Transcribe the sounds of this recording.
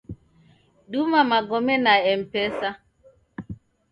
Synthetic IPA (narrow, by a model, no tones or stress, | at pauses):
ɗumamaɡɔmɛnaɛm̩pɛsa